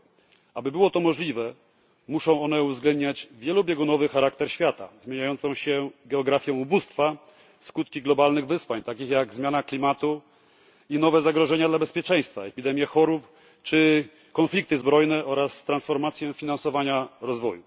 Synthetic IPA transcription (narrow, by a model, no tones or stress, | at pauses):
abɘbɘwɔt̪ɔmɔʐlʲivɛ | muʂɔ̃w̃ɔnɛuvzɡlɛnd̪ɲad͡ʑvʲjɛlubʲjɛɡunɔvɘxaɾakt̪ɛɾɕfʲjat̪a̰zmʲjeɲajɔnt̪sɔ̃w̃ɕɛɡɛɔɡɾafʲjɔ̃w̃ubust̪fa | skut̪kʲiɡlɔbalnɘɣvɘswaɲt̪akʲixjaɡzmʲjanaklʲimat̪u | inɔvɛzaɡɾɔʐɛɲad̪labɛspʲjɛt͡ʂɛ̃j̃st̪faɛpʲid̪ɛmʲjɛxɔɾup | t͡ʂɘ | kɔnflʲik̚t̪ɘzbɾɔjnɛʔɔɾasːt̪ɾansfɔɾmat̪sʲjɛfʲinansɔvaɲaɾɔzvɔju